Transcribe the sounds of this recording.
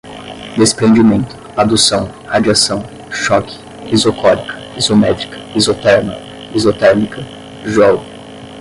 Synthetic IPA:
d̪espɾẽnd͡ʒimẽnt̪ʊ̥ | ad̪usɐ̃w̃ | had͡ʒiasɐ̃w̃ | ʃɔkɪ̥ | izokɔɾikʰɐ̥izomɛt̪ɾikʰɐ̥izot̪ɛɾnɐ̰ | izot̪ɛɾnikʰɐ | ʒɔlʊ

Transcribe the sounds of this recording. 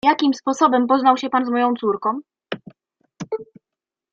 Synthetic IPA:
jakʲimspɔsɔbɛmpɔznawɕɛpanzmɔjɔ̃w̃t̪suɾkɔ̃w̃

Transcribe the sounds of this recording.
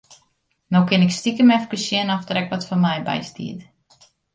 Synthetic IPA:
nowkɪnɪkstikəmɛfkəsjɪnɔfdəɾɛkʋɔtfɔnmɛjbɛ̰jstḭət

